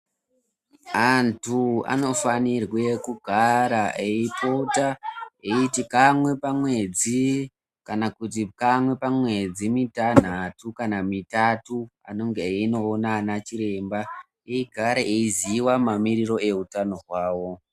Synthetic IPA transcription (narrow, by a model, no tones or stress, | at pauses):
antʰua̰no̞fanirwe̞kuɡʱaɾaʔeipo̞taeitikamwe̞pamwe̞d͡zi | kanakut̬ikamwe̞pamwe̞d͡zimitan̤atukanamitatua̰no̞ŋɡeino̞ːnanat͡ʃiɾe̞mba | eiɡʱaɾeʔeiziwamamiɾiro̞e̞utano̞ɦwaːwo̞